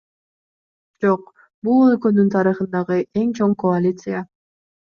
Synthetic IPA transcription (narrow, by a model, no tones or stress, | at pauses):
d͡ʒoq | bulˠɵkønynt̪ʰɑɾɯχɯnd̪ɑʁɯʔe̞ŋt͡ʃʰoŋkoalʲit̪sɨja